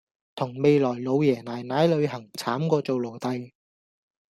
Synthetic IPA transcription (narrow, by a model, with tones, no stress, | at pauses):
t̪ʰʊ˨˩ŋme˨jlɔː˨˩jlo˨˧wjɛː˨˩naː˨˩jnaː˨˥jlɵ˨˧ɥɦɐ˨˩ŋt͡sʰaː˨˥mkɔː˧t͡so˨wlo˨˩wt̪ɐ˧j